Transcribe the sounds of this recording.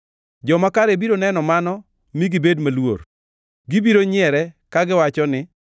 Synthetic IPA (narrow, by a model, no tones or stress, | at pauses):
d͡ʒɔmakaɾebiɾonɛnɔmanɔ | miɡɪbedmalwo̰ɾ | ɡɪbiɾoɲɪɛɾɛkaɡɪwat͡ʃɔnɪ